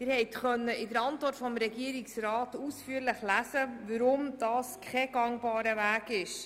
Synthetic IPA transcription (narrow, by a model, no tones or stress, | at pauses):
ɪɾhɛɪtχœnːəʔɪdəɾɑntʋɔrtfɔmɾɛɡiəɾɪksɾɑːtuːsfyːəɾlɪχlæsəvəɾʊmd̥ɑːskʰχɛɡ̥ɑŋbɑːɾəvæːɡɪʃ